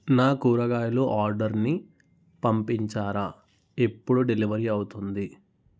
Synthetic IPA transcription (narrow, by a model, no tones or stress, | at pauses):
naːkuːɾɐɡaːjɐluʔaːɾɖɐɾni | pɐmpiɲt͡ʃaːɾa | e̞pːuɽuɖeliʋɐɾiɐwut̪und̪i